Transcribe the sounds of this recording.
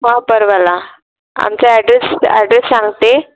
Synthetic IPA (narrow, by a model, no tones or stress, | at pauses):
ɦãpəɾʋala | a̰mt͡saɛɖɾesɛ̰ɖɾesːãŋɡt̪e